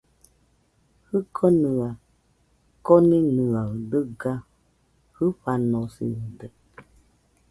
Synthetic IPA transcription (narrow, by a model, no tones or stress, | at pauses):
hɨkʰɔnɨa | kɔnĩnɨadəɡa | hɨɸanɔ̃sḭɨdə